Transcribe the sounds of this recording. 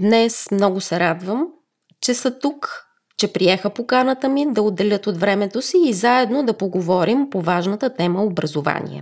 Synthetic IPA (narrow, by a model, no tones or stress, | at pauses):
d̪nɛsmnɔɡʊsɛɾad̪vəm | t͡ʃɛsət̪uk | t͡ʃɛpɾiɛxəpokanət̪əmid̪ɐod̪ːɛlʲɤt̪od̪vɾɛmɛt̪osiːzaɛd̪nod̪ɐpoɡovɔɾimpovaʒnət̪ət̪ɛməobɾɐzova̰nʲḭɛ̰